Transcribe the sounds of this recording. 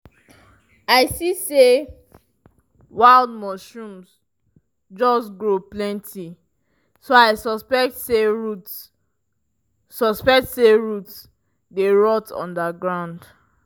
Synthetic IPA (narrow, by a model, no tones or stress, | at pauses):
aɪsise | waɪld̚mɔʃũms | d͡ʒɔsɡɹoplɛ̃ntʰi | soaɪsɔspɛk̚tseɹut | ɔspɛk̚tseɹuts | deɹɔtʰɔ̰̃ndaɡɹãʊ̃nd